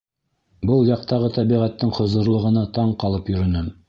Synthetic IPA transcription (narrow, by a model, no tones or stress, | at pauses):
bɤlˠjɑq̚t̪ɑʁɤt̪æβiʁæt̪ːɘŋχŏzŏɾlˠɤ̆ʁɤ̆nɑt̪ɑɴqɑlˠɤpjɵ̆ɾɵ̆nɘ